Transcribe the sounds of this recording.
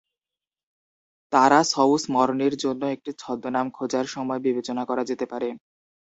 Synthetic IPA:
t̪aɾasɔusmɔɾoneɾd͡ʑonːoek̚ʈit͡ɕʰɔd̪ːonamkʰod͡ʑaɾʃɔmɔebibet͡ɕonakɔɾad͡ʑet̪epaɾe

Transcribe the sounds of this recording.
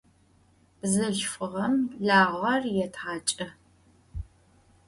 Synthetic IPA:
b̥zɐɬfɨʁɐmɮaːʁʷɐrjɛtʰʁaːt͡ʃʼɐ

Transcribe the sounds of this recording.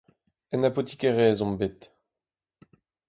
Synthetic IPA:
ɛnapot̪i̥kɛʁɛːzɔ̃mbet̪

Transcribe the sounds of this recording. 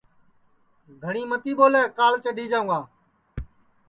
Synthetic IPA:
ɡʱəɳiːmət̪iːɓoːlɛːkaːlt͡ʃəɖʱiːd͡ʒãːũːãː

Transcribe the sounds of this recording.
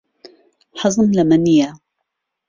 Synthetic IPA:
ħɑzˤɨnlamanɪja

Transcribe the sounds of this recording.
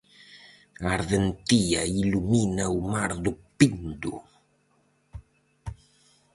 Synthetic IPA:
aɾðent̪iailuminaumaɾðupind̪u

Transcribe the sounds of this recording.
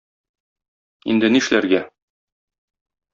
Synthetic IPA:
ḭnd̪ɘ̆niʃlæɾɡæ

